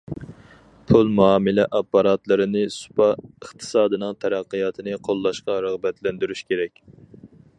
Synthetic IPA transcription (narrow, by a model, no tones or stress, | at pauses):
pʰulˠmuɑːmɨlɛʔɑpːɑɾɑt̪lˠɨɾɨnɪsu̥pɑəχt̪ʰɨ̥sɑːd̪ɨnɨŋt̪ʰɛɾæqːɨjɑt̪ʰɨnɨqʰolˠːɑʃqɑɾəʁbɛt̪lɛnd̪yɾyʃkʲeɾɛkʲ